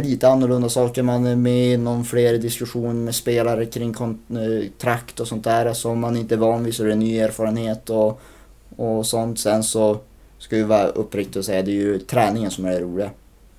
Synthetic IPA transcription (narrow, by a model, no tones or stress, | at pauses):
liːt̪əanːʊɭɵnd̪asɑːkəɾmanɛmɛɪnːɔmfleːɾd̪ɪskɵɧuːnəɾmɛspeːlaɾəkʰɾɪŋːkʰɔnt̪ʰɾakt̪ɔsɔnt̪̚d̪æːɾsɔmːanɪnt̪əɛvɑːnviːsɔæɾɛnːyːeːɾfɑːɾənheːt̪ɔ | ɔsɔnt̪sɛnsɔ | skɑɪvɑːɾaʔɵpːɾɪk̚t̪ɪɡɔsɛjːad̪ɛːɾjɵt̪ʰɾɛːnɪŋənsɔmæɾɾuːlɪɡa